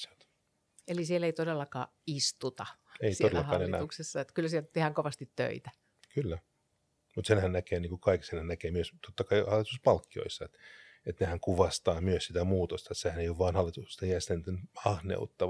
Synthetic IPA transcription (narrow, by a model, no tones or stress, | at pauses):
selt̪ | elisieleit̪odelːɑkɑ̰ː | ist̪ut̪ɑeit̪olelːlːɑhɑːlnetnæ̰uksesːɑet̪kylsielt̪t̪ehæŋkoʋɑst̪it̪tø̰it̪æ̥ | kylːæ | mut̪senhænnækeːniːŋkukɑiksenhænækeːmyøst̪ot̪ːɑkɑihɑlːˑit̪uspɑlkːio̰isːɑet̪ | et̪nehæŋkuʋɑst̪ɑːmyøssit̪æmuːt̪ost̪ɑet̪sehæneioʋʋɑːnhɑlːˑit̪ukse̥st̪ɑjæst̪ænt̪ːenɑhnḛut̪ːɑ